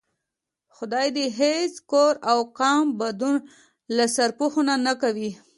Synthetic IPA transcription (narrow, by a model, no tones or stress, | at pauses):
xʊd̪ɑjd̪eɦeskoɾawqɑmbad̪un | lasaɾpuxonanakawi